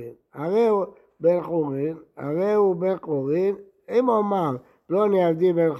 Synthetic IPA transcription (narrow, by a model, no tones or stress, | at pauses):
inaʁeu | benχoʁina̰ʁeubeqʼoʁin | emomaʁ | bloniavd̪iben